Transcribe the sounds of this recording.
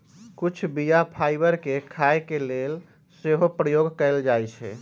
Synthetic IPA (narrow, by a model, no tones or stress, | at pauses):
kut͡ʃʰbijapʰaɪbəɾkekʰaekelel | seɦopɾəjoɡkəeld͡ʒajt͡ʃʰɛ̰